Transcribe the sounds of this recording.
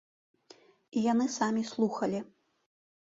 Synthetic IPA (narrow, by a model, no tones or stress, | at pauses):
ijanɨsamʲislˠuxɐlʲi